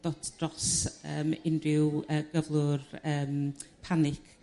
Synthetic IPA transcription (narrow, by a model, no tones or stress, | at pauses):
d̥ɔtʰd̥rɔsə̰ːmɪnrɪwəːɡəvlˠʊrəːmpʰanɪkʰ